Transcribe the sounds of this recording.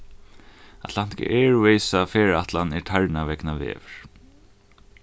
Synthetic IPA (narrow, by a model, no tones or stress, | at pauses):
at̪lan̥t̪ɪ̥ka̰ʔɛɹuɛjsafɛːɹaht̪lanɛɹt̪ʰaɹnavɛknavɛ̰ːvɪɹ̥